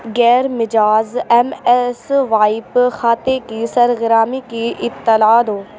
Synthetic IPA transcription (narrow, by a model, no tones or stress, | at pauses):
ɡɛːɾmɪd͡ʒaːzɛmɛsʋaːɪpxaːt̪ekisɐɾɣɪɾaːmikiʔɪt̪ːəlaːd̪oː